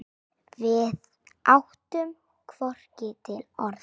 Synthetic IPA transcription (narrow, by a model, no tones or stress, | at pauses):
vɪð | ʔawht̪ʏm | kʰvɔr̥cɪt̪ʰɪlɔɾð